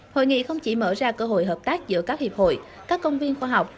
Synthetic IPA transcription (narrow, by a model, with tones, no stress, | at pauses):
ho̰˧˨jŋḭ˧˨xə˧wŋ͡mt͡ɕi˧˩˦məː˧˩zaː˧kəː˧ɦo̰˧˨jɦəː˨˩p̚t̪aː˦˥k̚zɨ̰˧˥əkaː˦˥k̚hi˨˩əp̚ho̰˧˨j | kaː˦˥kːə˧wŋ͡mvi˧ənxwaː˧ɦa˨˩wk͡p̚